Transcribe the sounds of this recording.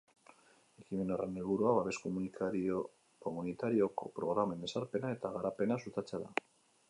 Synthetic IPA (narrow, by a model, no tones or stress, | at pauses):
e̞kime̞no̞re̞nelβuɾuaβaβe̞skomunikaɾio | komunit̪aɾio̞ko̞̰pɾo̞ɣɾame̞nd̪e̞saɾpe̞nae̞t̪aɣ̞aɾape̞nasut̪at͡seaða